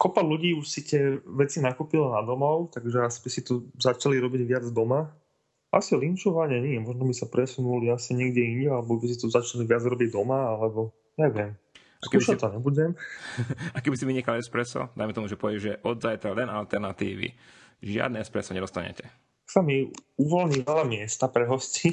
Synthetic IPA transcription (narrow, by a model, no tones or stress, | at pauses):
kɔpaluɟiːuʃsit̪ɪɛʋɛt͡sinakupilanad̪ɔmɔʊt̪aɡʒɛasibisit̪ɔzat͡ʃaliɾɔbiɟʋɪad͡zd̪ɔma | a̰silint͡ʃɔʋaɲɛɲiɛmɔʒnɔbisapɾɛsunuliasiɲɪɛɡɟɛiɲɟɛalɛbɔbis̬it̪ɔzat͡ʃaliʋɪad͡zɾɔbiɟd̪ɔmaalɛbɔ | jaʋɪɛm | askuʃat̪ːɔɲɛbuɟɛm | akɛbisiʋiɲikalɛspɾɛsɔ̰d̪ajmɛt̪ɔmuʒɛpɔʋɛɟɛʒɛʔɔd̪zajt̪ɾalɛnalt̪ɛɾnat̪ḭːʋḭ | ʒɪa̰d̪nɛɛspɾɛsɔɲɛd̪ɔst̪aɲɛ̰cɛ | samiuʋɔlɲiʋɛlamɪɛst̪apɾɛɦɔsci